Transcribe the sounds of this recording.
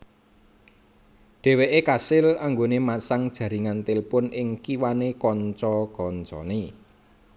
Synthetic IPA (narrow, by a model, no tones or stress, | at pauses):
ɖ̥e̤weʔekasɪlaŋɡonemasaŋd̥ʒ̥ä̤ɾiŋant̪ɪlpʊnɪŋkiwanekɔɲt͡ʃɔkɔnt͡ʃɔ̰ne